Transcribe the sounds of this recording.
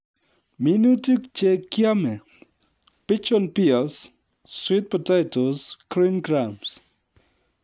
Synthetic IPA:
minutikt͡ʃekjamɛ | pɪt͡ʃɔnpiasː | wɪt̪̚pɔtajtoskɾinɡɾams

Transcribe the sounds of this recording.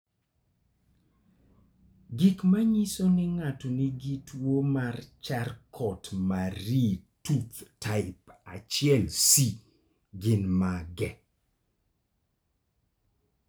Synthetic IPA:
ɡikmaɲisonɪŋatoniɡitwomart͡ʃarkʰɔtmaɾituptaɪpat͡ʃɪɛlsi | ɡɪnmaɡɛ

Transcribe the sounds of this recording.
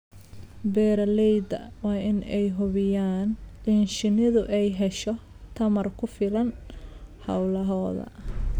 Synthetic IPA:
bɛːɾɐlɛjd̪ɐ̰wɑːɪnɛjɦʊβɪjaːnlinʃɪnɪðʊʔɛjɦɛʃɔ | t̪ʰɐmɐrkʰʊfɪlɐn | hɐ̰wlɐɦɔːðɐ̰

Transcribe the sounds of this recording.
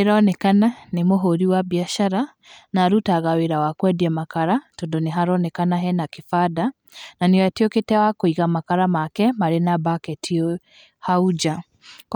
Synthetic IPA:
eɾɔnɛkananemoɦoɾiwaβiaʃaɾa | naɾutaɣaweɾawakwɛdiɛmakaɾatondoneɦaɾɔnɛkanaɦɛnakefada | naneɔatioketɛwakoiɣamakaɾamakɛmaɾenabakɛtʰio | haud͡ʒa | k

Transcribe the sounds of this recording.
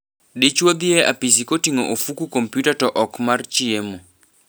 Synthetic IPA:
det͡ʃwod̪ɪɛʔa̰pisikotiŋoʔofukukompjutatɔʔɔkmart͡ʃiemo

